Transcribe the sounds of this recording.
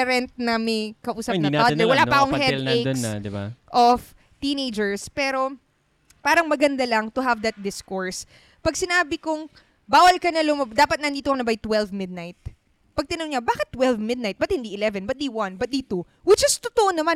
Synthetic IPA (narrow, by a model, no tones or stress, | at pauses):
ɾɛnt̪̚nɐmɐjkɐʔuːsɐpnɐnad̪nɛwɐlaːpɐʔɐkoŋhɛd̪esd̪ɪba̰ʔof | t̪iːnejd͡ʒɛɹspɛːɾo̞ | paːɾɐŋmɐɡɐnd̪alɐŋt̪ʊɦɐvd̪ɐt̪̚d̪ɪskoɹs | pɐɡ̚sɪnaːbɪkʊŋ | baːwɐlkɐnɐlʊmɐd̪aːpɐt̪̚nɐnd̪iːt̪okɐnɐbajt̪wɛlvmɪd̪̚najt̪̚ | pɐɡ̚t̪ɐnoŋɲabaːkɪt̪ːwɛlvmɪd̪najt̪̚bɐt̪̚hɪnd̪iːʔɪlɛvɛnbɐt̪̚d̪ejwãnt̪̚bɐt̪̚d̪iːt̪o | wɪd̪̚d͡ʒɐst̪ʊt̪oʔonɐman